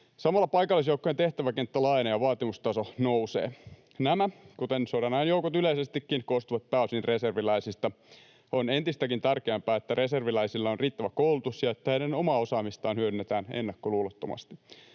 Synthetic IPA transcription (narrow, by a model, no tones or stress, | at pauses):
sɑmɑlːɑpɑjkɑlːˑisjoukːoent̪e̞ht̪æʋækent̪ːælɑjnɑjɑʋɑːt̪imust̪ɑsonousḛː | næmækut̪ensodɑnɑjnjoukot̪yleisest̪ikːinkost̪uʋɑt̪̚pæysinreserʋilæisist̪ɑ | onent̪ist̪ækint̪ærkeæmpæːet̪ːære̞serʋilæisilːɑonriːt̪ːæʋækoulut̪usjɑet̪ːæhedeno̞mɑːo̞sɑːmist̪ɑːnhyødynːet̪æːnḛnːɑkːoluːlot̪ːomɑ̰st̪i̥